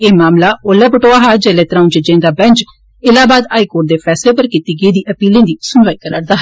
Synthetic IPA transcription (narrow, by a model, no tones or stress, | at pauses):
eːmaːmlaːolɛːpəʈoːaːɦaːd͡ʒeːleːt̪ɾaːũnd͡ʒəd͡ʒẽːd̪aːbɛ̃nt͡ʃ | ɪlaːbaːd̪aːiːkoːʈ̚d̪eːpʰɛːsleːpəɾkiːt̪iːɡeːd̪iːʔəpiːlẽːd̪iːsʊnʋaːiːkəɾəɽd̪aːɦ